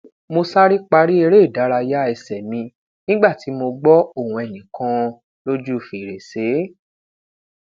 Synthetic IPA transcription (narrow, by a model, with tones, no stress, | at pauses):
mo˧sa˦ɾi˦k͡pa˧ɾi˦e˧ɾe˦˨da˨˦ɾa˧ja˦ɛ˧sɛ˨mĩ˧ | nĩ˦ɡ͡ba˦˨ti˨˦mo˧ɡ͡bɔ˦o˦˨wũ˧ɛ˨nĩ˨kã˧ | lo˦d͡ʒu˦˨fi˨ɾe˨se˨˦